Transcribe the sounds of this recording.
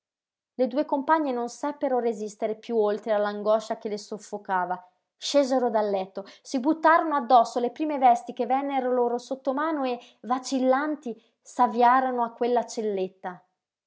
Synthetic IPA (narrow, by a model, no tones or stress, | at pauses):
led̪uːekompaɲːenonsapːeɾorezist̪eɾepjuolt̪ɾealːaŋɡɔʃːak̟elesofːokaːva | ʃeːzeɾod̪alːɛt̪ːosibut̪ːaːɾonoad̪ːɔsːolepɾiːmevɛst̪ik̟evːɛnːeɾoloːɾosot̪ːomaːnoe | vat͡ʃilːant̪i | savjaːɾonoakːwelːat͡ʃelːet̪ːa